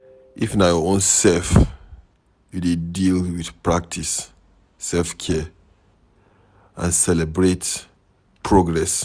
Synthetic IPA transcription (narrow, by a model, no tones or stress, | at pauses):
ʔifnajɔõnsɛlf | judedilwiθpɹak̚tʰis | sɛlfkʰɛ | ʔã̰nsɛlɛbɹet | pʰɹoɡɹɛs